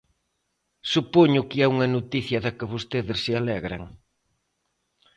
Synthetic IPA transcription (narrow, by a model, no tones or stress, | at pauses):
supoɲʊkɪɛuŋɐnot̪iθjɐðɐkɪβost̪eðɪsːɪalɛɣɾɐ̰ŋ